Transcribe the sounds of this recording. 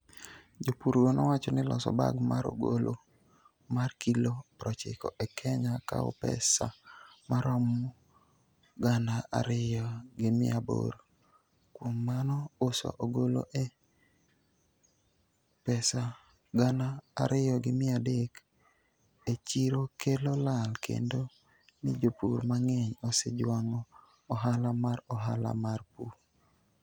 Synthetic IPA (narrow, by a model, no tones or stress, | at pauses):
d͡ʒopuɾɡonɔwat͡ʃɔnɪlɔ̰sɔ̰ba̰ɡmaɾo̰ɡolo | markilopɾɔt͡ʃɪkɔ̰ʔɛkʰɛɲaka̰o̰pɛ̰sa̰maɾɔm | ɡanaa̰ɾɪjɔɡɪmɪ̰abo̰ɾ | kwomːanɔʊsɔ̰ʔoɡolo̰ʔɛ | pɛsa | ɡana̰ːɾɪjɔɡɪmɪadek | et͡ʃiɾokʰelolalkʰḛndo | nid͡ʒopṵɾmaŋɛɲosɛ̰d͡ʒwaŋɔː | ɦalamaɾɔɦa̰la̰marpu